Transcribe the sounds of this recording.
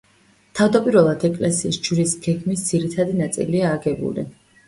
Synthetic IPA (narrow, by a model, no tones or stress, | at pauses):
t̪ʰavd̪apʼiɾvɛlˠad̪ɛkʼlɛsiːsd͡ʒɾisɡ̥ɛɡmisd̪z̥iɾit̪ʰad̪inat̪sʼḭliaːɡɛbṵlḭ